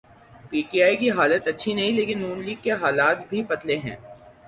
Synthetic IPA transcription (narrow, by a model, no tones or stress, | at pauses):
piːʈiaːikiɦaːlət̪ɐtːʃʰinɐɦĩleːkɪnːuːnliːɡkːeɦaːlaːt̪bʱipɐt̪leɦɛ̰̃ː